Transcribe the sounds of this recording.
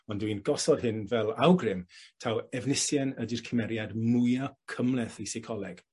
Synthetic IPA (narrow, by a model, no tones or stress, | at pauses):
ɔndwinɡɔsɔd̥hɪnvɛlˠa̰wɡrɪmtʰawɛvnɪsjɛnədirkʰəmɛɾjadmʊjɔkʰəmlɛθijsɪkʰɔlˠɛɡ̥